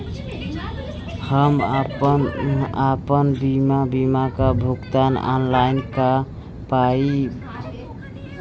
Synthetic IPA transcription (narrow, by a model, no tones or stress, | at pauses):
həmapənapənbimabimakabʱukt̪ana̰nlajnka | pai